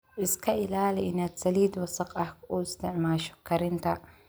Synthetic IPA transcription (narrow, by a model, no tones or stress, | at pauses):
ʔɪskɐʔɪlaːlɛʔɪnɐt̪sɐliːd̪wɐsɐqʼɐhkʊːɪst̪ɪʕmaːʃʊ̥kːɐɾɪnt̪ɐ